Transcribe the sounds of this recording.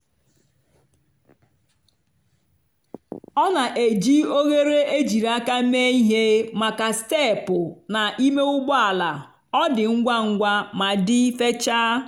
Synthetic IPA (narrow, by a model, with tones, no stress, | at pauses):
ɔ˦na˨ʔe˨d͡ʒi˦o˦ɣe˦ɾe˦e˦d͡ʒi˨ɾa˦ka˦me˦i˦ɦe˦ma˨ka˨ste˦˨pʊ˨na˨ʔi˦me˦ʊ˦ɡ͡bɔ˦a˨la˨ | ɔ˦dɪ˨ŋ̩˦ɡʷa˦ŋ̩˦ɡʷa˦ma˨dɪ˦i˦fe˦t͡ʃaː˦